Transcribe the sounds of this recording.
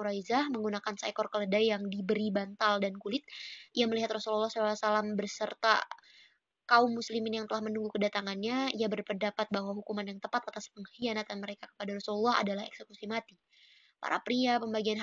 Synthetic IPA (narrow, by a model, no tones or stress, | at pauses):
uɾaizahməŋɡunakansa̰kɔrkələdajjaŋdibəɾibant̪aldankulɪt̪̚ʔijaməliɦat̪rɔsulɔlːɑhsɔlaasalambərsərt̪a̰ | kaumːuslimɪnjaŋt̪əlahmənuŋɡukədat̪aŋanɲaijabərpərdapat̪̚baɦwaɦukumanjaŋt̪əpat̪at̪aspəŋhianat̪anməɾekakə̥padaɾɔsulɔlːɑɦa̰dalahɛ̰ksəkusimat̪i | pa̰ɾʔapɾiapəmbaɡian